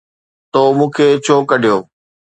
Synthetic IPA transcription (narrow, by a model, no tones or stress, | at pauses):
t̪oːmũːkʰeːt͡ɕʰoːkəɗʱijoː